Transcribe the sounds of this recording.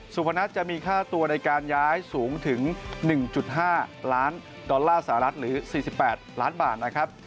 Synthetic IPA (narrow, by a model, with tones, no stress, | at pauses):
su˨˩pʰa˧na˦˥t̪̚t͡ɕa˨˩ʔmiː˧kʰaː˥˩t̪u˧ɐna˧jkaː˧njaː˦˥jsuː˩˦ŋt̪ʰɯ˩˦ŋnɯ˨˩ŋt͡ɕu˨˩t̪̚ɦaː˥˩laː˦˥n | dɔ˧lːaː˥˩sa˧˩a˧ɾa˦˥t̪̚ɾɯː˩˦siː˨˩si˨˩pːɛː˨˩t̪̚laː˦˥nba̰ː˨˩t̪̚na˦˥kʰɾa˦˥p̚